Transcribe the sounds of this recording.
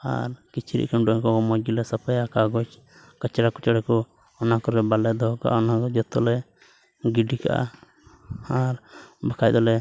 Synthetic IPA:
a̰ɾkit͡ʃʰiɾḭʔkamɖɔɲkɔkɔmɔɡilɛsəpajakaɡɔt͡ʃ | kət͡ʃɛɾakɔt͡ʃɔɽɛkɔ | ɔnakɔɾɛbalɛd̪ɔɦka̰ʔaɔnakɔd͡ʒɔt̪ɔlɛ | ɡiɖika̰ʔa̰ | aɾbakʰajd̪ɔlɛ

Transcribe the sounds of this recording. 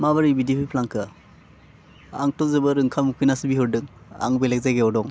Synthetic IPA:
maβaɾibidiipʰijpʰlaŋkʰɯ | a̰ŋtɔzɯbɯɾɯŋkʰamukʰɯjnasɯbiɦɯɾdɯŋa̰ŋbelek̚zajɡeɔdɔŋ

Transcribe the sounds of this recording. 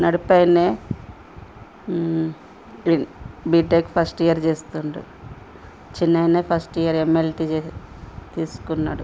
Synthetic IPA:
nɐɽipɐjneː | ibiːeːkpʰɐsʈijɐɾd͡ʒe̞ːst̪uɳɖḭ | t͡ʃinːɐjneːpʰɐsʈijɐɾemːelʈiet̪iːsu̥kunːaːɽu

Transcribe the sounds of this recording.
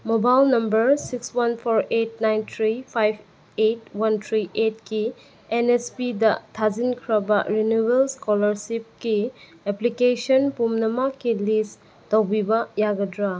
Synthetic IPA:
mobajlnɐmbɐɾsikswanpʰoɾet̚najntʰɾipʰajb | etwantʰɾiʔetki | enespidɐtʰazinkʰɾɐbɐ̰ɾinubelskɔlɐɾsip̚ki | eplikesɔnpumnɐmakilis | towbibɐjaɡɐdɾa

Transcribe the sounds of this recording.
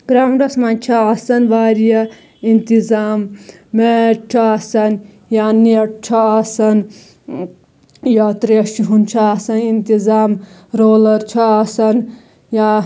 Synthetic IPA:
ɡ̥ɾamɾɐsmant͡ʃʰɐasɐnʋaːɾijɐ | int̪izaːmː | eʈt͡ʃʰɐasɐn | jaːniʈ̚t͡ʃʰɐasɐn | jat̪ɾeɐʃiɦunt͡ʃʰɐasɐnint̪izaːm | ɾoːlɐɾt͡ʃʰɐasɐn | ja

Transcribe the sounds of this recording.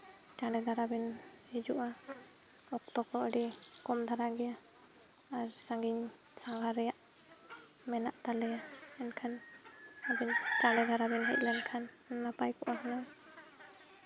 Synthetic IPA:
t͡ʃaɖɛd̪aɾabɛn | hid͡ʒuʔa | ɔk̚t̪ɔkɔəɖi | kɔmd̪ʱaɾaɡɛjaː | ɾsãŋɡiɲ | saŋɡaɾɛjaʔ | mɛnaʔt̪alɛja | ɛnkʰan | abɛntaɖɛd̪ʱaɾabɛnɦɛ̰c̚lankʰan | napajkɔʔaɦana

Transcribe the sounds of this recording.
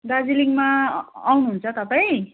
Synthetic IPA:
d̪ad͡ziliŋmaːwnuɦunt͡sʰʌt̪ʌpaj̃

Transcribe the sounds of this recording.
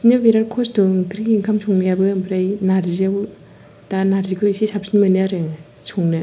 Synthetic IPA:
nɯbiɾaɾkʰɔsdɔŋtʰɾiiŋkʰamsʰɔŋnɯjabɯbɾajnaɾzaw | danaɾzikʰɯwisisap̚sinmɯniaɾɯŋ | soŋnɯ

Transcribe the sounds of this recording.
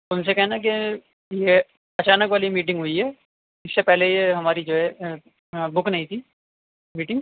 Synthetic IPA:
t̪ʊnsekɐɦẽnak̬e | je | ɐt͡ʃaːnəkʋaːlimiːʈ̬ɪ̃ŋɡɦʊiɦɛː | ɪsːepɛɦlejeɦɐmaːɾid͡ʒoːɦɛ | bʊknɐɦĩt̪ʰiː | miːʈɪ̃ŋɡ

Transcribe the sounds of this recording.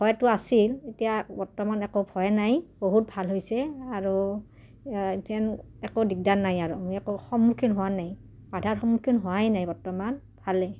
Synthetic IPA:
pʰɔjtʊasiletijabɔɹtɔmanɛkobʰʱɔjnajboɦut̚bʱalɦojsɛaɹu | tɛnɛkodik̚danːajaɹumɛkoxɔmːukʰinɦʊwanaj | badʱaɹxɔmukʰinɦʊajnajbɔɹtɔman | b̥ʰʱalɛ

